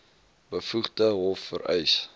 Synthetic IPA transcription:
bəfuχdəɦɔfːə̰ɾɛjs

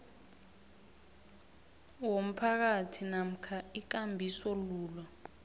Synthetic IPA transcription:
wom̩pʰak̬atʰinam̩kʰaik̬ambʱisɔluːlwa

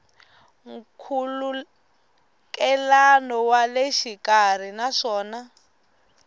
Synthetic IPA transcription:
ŋ̩kʰulu | kɛlanɔwaleʃikar̤inaʂɔːna

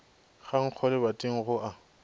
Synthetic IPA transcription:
ɣaŋ̩q͡χʰɔlɪbatʼɪŋ̩ɣʊʔa

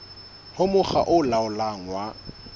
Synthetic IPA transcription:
hʊmʊχa̰ʔʊlaʊlaŋ̩wa

